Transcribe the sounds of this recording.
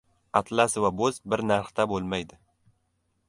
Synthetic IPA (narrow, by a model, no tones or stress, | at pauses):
at̪ʰlasɪvabozbɪɾnaɾχt̪abolˠmajd̪ɪ